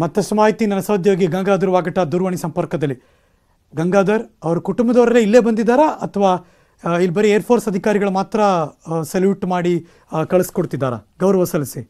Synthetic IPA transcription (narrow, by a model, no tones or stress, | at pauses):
mɐt̪ːɐsɐmaːɦit̪inɐnːɐsɐwd̪ʱjoːɡiɡɐŋɡaːd̪ɐɾuʋaːɡɐʈɐd̪uɾʋɐɳisɐmpɐɾkɐd̪ɐlːi | ɡɐŋɡaːd̪ɐɾɐʋɐɾukuʈumbɐd̪oːɾɐleːilːe̞ːbɐnd̪id̪ːaːɾɐɐt̪ʰɐʋaː | ilibɐɾeeːɐɾpʰoːɾsɐd̪ʱikaːɾiɡɐɭumaːt̪ɾɐseljuːʈmaːɽi | kɐɭɐskoɽt̪id̪ːaːɾɐ̰ɡɐwɾɐʋɐsɐlɐsi